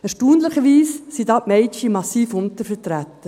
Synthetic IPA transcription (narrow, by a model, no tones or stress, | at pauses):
ɛɾʃtuːnləχəʋiːssid̪ɑːpmɛɪt͡ʃimɑsiːfʊnt̪əɾfətɾæt̪ːə